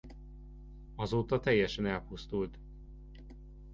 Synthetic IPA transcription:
ɒzoːt̪ɒt̪ɛjːɛʃɛnɛlpust̪ult̪

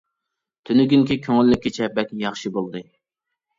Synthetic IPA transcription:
t̪ʰynyɡʲyŋkʲikʲʰøŋylːɪkʲːit͡ʃʰɛbɛkʲjɑχʃɨbolˠd̪ɨ

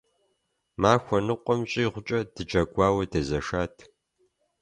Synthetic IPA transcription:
maːxʷɔnɨqʷʼɔmɕʼiːʁʷʊt͡ʃʼɐd̥ɨd͡ʒɐɡʷɑːwɐdɐzɐʂaːtʰ

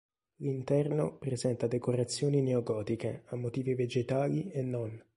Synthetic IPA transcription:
lint̪ɛrnopɾezɛnt̪ad̪ekoɾat̪sːjoːnineoɡɔːt̪ikeamːot̪iːvived͡ʒet̪aːlienːon

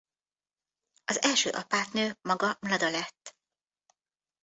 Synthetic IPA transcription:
ɒzɛlʃø̰ːʔɒpaːt̪nøːmɒɡɒmlɒd̪ɒlɛt̪ː

